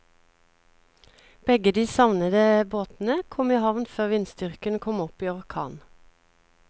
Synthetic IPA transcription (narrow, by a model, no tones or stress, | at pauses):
b̥ɛɡəd̪iːsɑʋnəd̪əboːt̪n̩əkʰɔmiːhɑʋnføːʁʋɪnst̪ʏʁkənkʰɔmɔpiːɔʁkʰɑ̰ːn